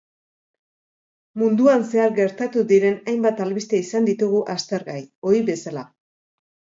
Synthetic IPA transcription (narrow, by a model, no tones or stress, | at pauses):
mund̪uanse̞aɾɡe̞ɾt̪at̪uðiɾe̞najmbat̪alβist̪e̞isand̪it̪uɣ̞uʔast̪e̞ɾɣajo̞iβe̞sala